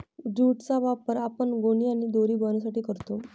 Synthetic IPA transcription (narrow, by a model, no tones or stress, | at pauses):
d͡ʑuːʈt͡saʋapəɾapəɳɡoɽ̃iañid̪oɾiːbənas̬aʈiːkəɾt̪o